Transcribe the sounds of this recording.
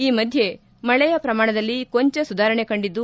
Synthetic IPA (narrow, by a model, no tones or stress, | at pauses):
iːmɐd̪ʱje̞ | mɐɭɛjɐpɾɐmaːɳɐd̪ɐlːiko̞ɲt͡ʃɐsud̪aːɾɐɳe̞kɐɳɖid̪ːu